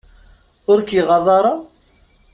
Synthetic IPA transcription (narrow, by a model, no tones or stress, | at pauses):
ʊɾkiʁɑðˤɑɾˤɑ